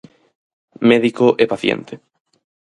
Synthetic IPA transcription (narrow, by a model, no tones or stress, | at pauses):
mɛðikoʔɛpaθjḛnt̪ʰe